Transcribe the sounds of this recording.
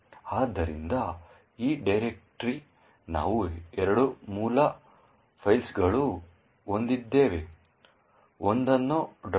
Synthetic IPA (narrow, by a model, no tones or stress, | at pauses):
aːd̪ːɐɾind̪ɐ | iːɖɐjɾek̚ʈɾi | na̰ːʋuɛɾɐɽumuːlɐ | pʰɐjlsɡɐɭu | ond̪id̪ːeːʋe | ond̪ɐnːuɖ